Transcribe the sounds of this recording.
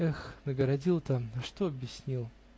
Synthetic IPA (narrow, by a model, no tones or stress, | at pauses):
ɛxnəɡəɾɐdʲilˠt̪əɐʂt̪oɐbʲjɪsʲnʲilˠ